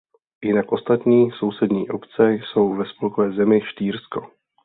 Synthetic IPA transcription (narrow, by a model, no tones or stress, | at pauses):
jɪnakʔo̞st̪at̪ɲiːso̞wsɛdɲiːʔo̞pt͡sɛjso̞wvɛspolkovɛːzɛmɪʃt̪iːɾsko̞